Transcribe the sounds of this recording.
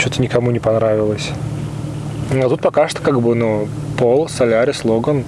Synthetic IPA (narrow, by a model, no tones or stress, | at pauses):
t͡ɕot̪ənʲɪkɐmunʲɪpɐnɾavʲɪlˠəsʲ | nɐt̪ut̪pɐkaʂt̪o̥kaɡbɨnu | polˠsɐlʲaɾʲɪslˠoɡən